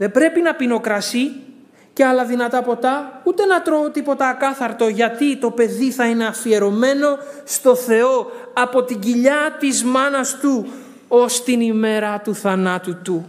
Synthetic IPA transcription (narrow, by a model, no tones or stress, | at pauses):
ðe̞bɾe̞pinɐpino̞kɾɐsi | ce̞ɐlɐðinɐt̪ɐpo̞t̪ɐut̪e̞nɐt̪ɾo̞ot̪ipo̞t̪ɐːkɐθɐɾt̪o̞ʝɐt̪it̪o̞pe̞ðiθɐine̞ɐfie̞ɾo̞me̞no̞st̪o̞θe̞o̞ɐpo̞t̪iɟiʎɐt̪izmɐnɐst̪u | o̞st̪inime̞ɾɐt̪uθɐnɐt̪ut̪u